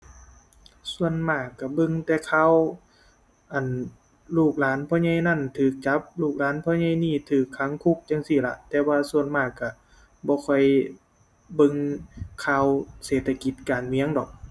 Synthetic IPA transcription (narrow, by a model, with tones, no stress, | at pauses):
su˧ənmaː˧˩kːa˧˩bɤ˧ŋt̪ɛː˧˩kʰaː˧˥˨w | ʔa˧˩n | luː˧˩k̚laː˨˦npʰɔː˧˥˨ɲa˧˥˨jna˧˥˨nt̪ʰɯː˨˩k̚t͡ɕa˧˦˥p̚luː˧˩k̚laː˨˦˥npʰɔː˧˥˦ɲa˧˥˨jniː˧˥˩t̪ʰɯː˨˩kʰːa˧˦˥ŋkʰu˧˩k̚t͡ɕa˧˨ŋsi˧˩la̰˧ʔt̪ɛː˧waː˧su˧ənmaː˧˩kːa˧˩ | bɔː˧˦kʰɔ˧˩j | bɤ˧ŋkʰaː˧˨wseː˨˩t̪ʰːa˧ki˧˦t̪̚kaː˨˩nmi˧˦əŋdɔ˨˩k̚